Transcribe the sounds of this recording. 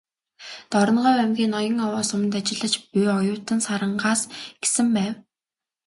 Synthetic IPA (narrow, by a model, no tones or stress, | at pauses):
t̪ɔɾɞ̆nɢɔːwæmɡʲiːnːɔjɞ̆ŋɔwɔːsʊm̆nt̪̬at͡ɕɪ̆ɮə̆t͡ɕpujɔjʊːt̪ə̆nsaɾə̆ɴɢaːsɡ̥e̥sɘ̆mpæːw